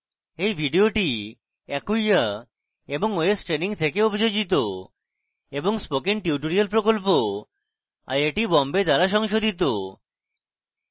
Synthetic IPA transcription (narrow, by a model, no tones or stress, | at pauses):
ejbʱiɖioʈi | ɛkuja | eboŋoesʈɾeniŋt̪ʰekeobʱid͡ʑod͡ʑit̪̬o | eboŋspokenʈiuʈoɾialpɾokolpo | a̰jeʈibɔmbed̪aɾaʃɔŋʃod̪ʱit̪̬o